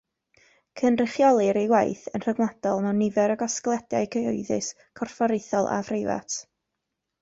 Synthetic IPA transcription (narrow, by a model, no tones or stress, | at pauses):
kʰənrɪχjɔlˠɨɾejwajθənr̥əɡwˠad̥ɔlˠmɛwnɪvɛɾəɡɔsklˠɛdjajkʰəoɨðɨ̰s | kʰɔrfɔɾejθɔlˠʔa̰frejva̰tʰ